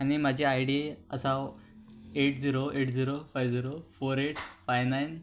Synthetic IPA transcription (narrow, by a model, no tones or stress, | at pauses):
añimad͡ʑʱeajɽiə̰sa | eʈd͡ziɾoeʈd͡ziɾofajʋd͡ziɾofoɾeʈʰfajnajn